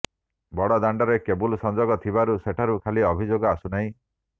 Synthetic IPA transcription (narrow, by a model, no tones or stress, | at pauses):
bɔɽɔd̪aɳɖɔɾekebulsɔnd͡ʒɔɡɔt̪ʰibaɾuseʈʰaɾukʰaliɔbʱid͡ʒoɡɔasunaɦĩ